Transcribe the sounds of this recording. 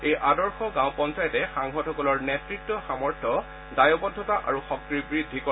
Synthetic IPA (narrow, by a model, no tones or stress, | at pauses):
ejʔadɔɹxɔɡãʊ̃pɔnsajɔtɛxaŋɦɔtʰɔkɔlɔɹnɛtɹik̚tːɔxamɔɹtʰɔ | dajɔbɔdʱːɔtaʔaɹuxɔk̚tɹibɹidʱːikɔ